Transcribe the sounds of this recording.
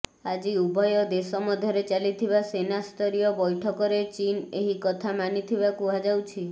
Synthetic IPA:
ad͡ʒiubʱɔjɔd̪esɔmɔd̪ʱjɔɾet͡ʃalit̪ʰiβasenast̪ʰɔɾijɔbɔjʈʰɔkɔɾet͡ʃineɦikɔt̪ʰamanit̪ʰibakuad͡ʒawt͡ʃʰi

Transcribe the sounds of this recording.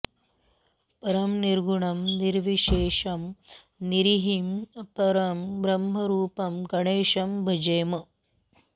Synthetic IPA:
pɐɾɐmniɾɡuɳɐmniɾʋiʃeːʂɐm | niɾiɦimɐpɐɾɐmbɾɐmɦɐɾuːpɐmɡɐɳeːʃɐmbʱɐd͡ʒɐjmɐ

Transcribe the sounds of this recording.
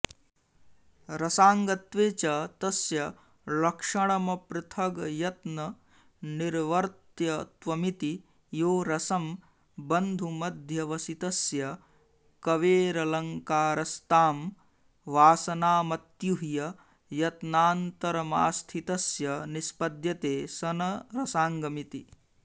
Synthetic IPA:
ɾɐsaːŋɡɐt̪ʋeːt͡ʃɐt̪ɐsjɐ | lɐkʂɐɳɐmɐpɾɐt̪ʰɐɡjɐt̪nɐ | niɾʋɐɾt̪jɐt̪ʋɐmit̪i | joːɾɐsɐm | bɐnd̪ʱumɐd̪ʱjɐʋɐsit̪ɐsjɐ | kɐʋeːɾɐlɐŋkaːɾɐst̪aːm | ʋaːsɐnaːmɐt̪juɦijɐ | jɐt̪naːnt̪ɐɾɐma̰ːst̪ʰit̪ɐsjɐnispɐd̪jɐt̪eːsɐnɐɾɐsaːŋɡɐmit̪i

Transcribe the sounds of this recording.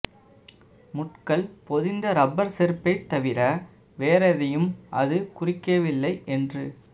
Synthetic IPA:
mʊʈkɐlpɔðɪnd̪ɐɾɐbːɐɾsɛɾɯpːɐɪt̪ːɐʋɪɾɐ | ʋeːɾɐðɐjɯmʔɐðɯkʊrɪkːɐʋɪlːɐɪʔɛndrɯ

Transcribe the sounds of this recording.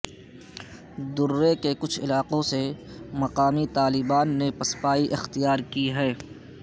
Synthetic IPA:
d̪ʊɾːekekʊt͡ʃʰɪ̰laːqõsemɐqaːmit̪aːlɪbaːnːepɐspaːiʔɪxt̪ijaːɾkiɦɛː

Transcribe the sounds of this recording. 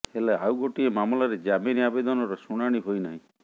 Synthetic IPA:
helaawɡoʈiemamɔlaɾed͡ʒameɾiabed̪ɔnɔɾɔsuɽ̃aɽ̃iɦojnaɦĩ

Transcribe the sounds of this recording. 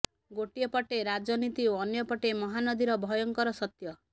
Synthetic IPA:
ɡoʈijɔpɔʈeɾad͡ʒɔnit̪ioɔnjɔpɔʈemɔɦanɔd̪iɾɔbʱɔjɔŋkɔɾɔsɔt̪jɔ

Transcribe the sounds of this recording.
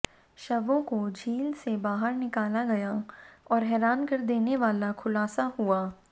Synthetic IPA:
ʃɐʋõkod͡ʒʱiːlsebaːɦəɾnɪkaːlaɡɐjaɔːɾɦɛːɾaːnkɐɾd̪eːneʋaːlakʰʊlaːsahuaː

